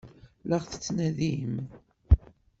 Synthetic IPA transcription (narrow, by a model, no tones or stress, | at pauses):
ləʁθə̥t͡sːnæðim